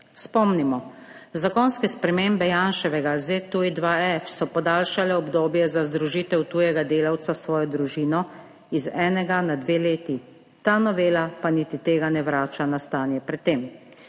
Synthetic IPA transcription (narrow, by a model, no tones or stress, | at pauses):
spɔmnimɔ | zakɔnskɛspɾɛmeːmbɛjaːnʃɛʋɛɡazet̪uid̪ʋaɛfsɔpɔd̪aːlʃalɛɔbd̪oːbjɛzazd̪ɾuʒiːt̪ɛwt̪uːjɛɡad̪eːlawt̪sasʋɔːjɔd̪ɾuʒiːnɔ | izɛːnɛɡanad̪ʋeːleːt̪i | t̪aːnɔʋeːlapaniːt̪it̪eːɡanɛʋɾaːt͡ʃanast̪aːnjɛpɾɛt̪ːeːm